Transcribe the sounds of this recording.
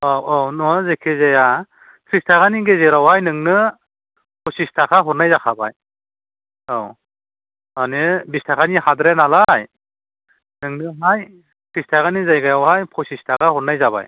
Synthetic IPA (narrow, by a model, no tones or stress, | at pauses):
awawnɔzekʰezaja | kʰɾistʰaɡaniɡezeɾawhajnɯŋnɯ | pʰɔsistʰakʰaɦɔɾnajzakʰabaj | aw | anibistʰakʰanihadɾenalaj | nɯŋnɯɦaj | kʰɾistʰakanizajɡajawɦajpʰɔsistʰakʰahɔɾnajzaβa̰j